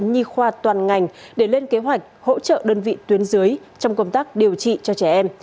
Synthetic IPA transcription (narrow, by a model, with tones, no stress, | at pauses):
ɲi˧xwaː˧t̪waː˨˩nŋa˨˩jŋ̟ɗe˧˩le˧nke˨˦ɦwa˨˩jk̟̚ho̰˧˥t͡ɕə̰ː˧˨ɗəː˧nvḭ˧˨t̪wi˨˦ənzɨ˨˦j | t͡ɕɔ˧wŋ͡mkə˧wŋ͡mt̪aː˦˥k̚ɗi˨˩əwt͡ɕḭ˧˨t͡ɕɔ˧t͡ɕɛ˧˩ʔɛ˧m